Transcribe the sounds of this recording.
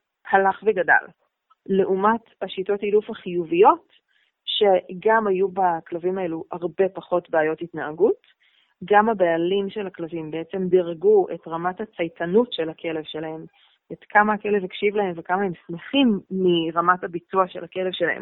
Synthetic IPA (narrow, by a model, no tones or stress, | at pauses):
halaχveɡada̰l | le̞ʔumathaʃito̞tilufhaχijuvijo̞t | ʃe̞ɡamajubaklavimae̞luhaʁbe̞paχo̞tbeaajo̞titnaːɡut | ɡamabealimʃe̞lhaklavimbeet͡se̞mdiʁɡuḛtʁamathat͡sajtʰanutʃe̞lakʰe̞le̞vʃelahe̞m | etkʰamaake̞le̞vekʃivlahe̞mvekamae̞msmeχimːiʁamathabit͡suaʃe̞lake̞le̞vʃela̰hḛm